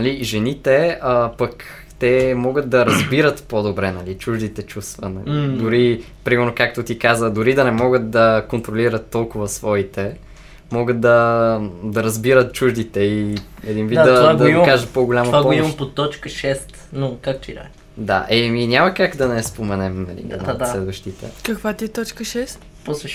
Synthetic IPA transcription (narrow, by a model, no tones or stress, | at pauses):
nɐliʒɛnit̪ɛəpək | t̪ɛmɔɡət̪̚d̪ɐɾɐzbiɾət̪pod̪obɾɛnɐlit͡ʃuʒd̪it̪ɛt͡ʃust̪vənɐ̰id̪ʊɾi | pɾimɛɾnokak̚t̪ot̪ikazəd̪ʊɾid̪ɐnɛmɔɡət̪̚d̪ɐkont̪ɾoliɾət̪ːɔlˠkʊvəsvɔit̪ɛ | mɔɡət̪̚d̪ɐ | d̪ɐɾɐzbiɾət̪̚t͡ʃuʒd̪it̪ɛiɛd̪invid̪td̪vadɡ̪ɐimkaʒət̪poɡolʲamɐpvaɔomɐmpot̪ɔt͡ʃkəʃɛst̪nokakt̪id̪a̰ | d̪a̰ʔɛminʲaməkakd̪ɐnɛspomɛnɛmnɐ̰lḭɛ̰nslɛd̪vɐʃt̪it̪ɛ̰kɐkvat̪iɛt̪ɔt͡ʃkəʃɛst̪ | pɔslɛ